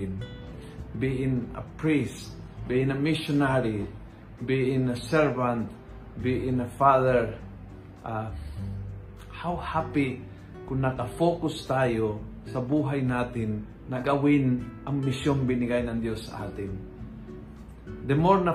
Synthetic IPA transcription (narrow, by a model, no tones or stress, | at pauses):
ɪn | biʔɪnɐ̰pɹist̪biʔɪnɐmɪsʊnaɾi | biʔɪnɐsɛɹvant̪ | biʔɪnɐfaðɛɹ | ʔa | hawhaːpɪ | kʊnnɐkɐfoːkʊst̪aːjo | sɐbuːɦajnaːt̪ɪnː | ɐɡɐwɪnʔɐŋmɪsjonbɪnɪɡajnɐŋd̪josːɐ̰ʔa̰ːt̪ɪn | d̪ɛmoɾnɐ